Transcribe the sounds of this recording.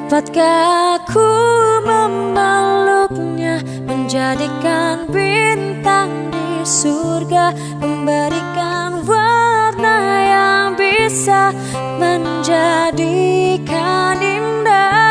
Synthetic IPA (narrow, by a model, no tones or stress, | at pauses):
pat̪̚kakʰuməmːəluk̚ɲa | məɲd͡ʒadikanbint̪aŋdisurɡa | məmbaɾikanwarnajaŋbisa | məɲ | d͡ʒadikaninda